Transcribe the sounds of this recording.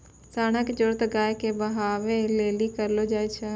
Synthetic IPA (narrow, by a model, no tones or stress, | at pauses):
saːɽ̃əkd͡ʒoɾt̪ɡaːjkebɐɦaːʋeleːlikəɾlod͡ʒaːet͡ʃʰə